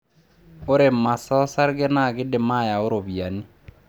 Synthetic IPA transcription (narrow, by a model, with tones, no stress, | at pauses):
o˦ɾe˨ma˨sɔ˦sa˦ɾɣɛ˦na˦˨ɣɪ˦de˨ma˦˨ja˨o˦ɾo˨βja˨ni˦